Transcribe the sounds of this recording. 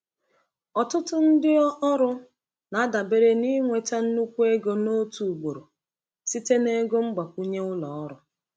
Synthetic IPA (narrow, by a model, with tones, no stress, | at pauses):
ɔ˨tʊ˦tʊ˦n̩˦dɪ˦ɔ˦ʔɔ˦ɾʊ˦ | na˨˦da˨be˦ɾe˦ni˦ŋʷe˨ta˦n̩˦nu˦kʷu˦e˦ɡo˦no˦tu˨ɡ͡bo˨ɾo˨ | si˦te˦ne˦ɡo˦ŋ͡m̩˦ɡ͡ba˨kʷu˦ɲe˦ʊ˦lɔ˨˦ɾʊ˨